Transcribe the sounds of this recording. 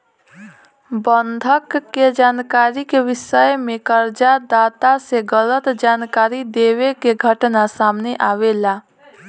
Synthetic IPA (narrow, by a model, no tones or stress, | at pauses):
bənd̪ʱəkːed͡ʒaːnkaːɾikeʋɪsəjmẽkəɾd͡ʒad̪aːt̪aseɡələt̪d͡ʒaːnkaːɾid̪ewekeɡʱəʈnasaːmneʔaːʋela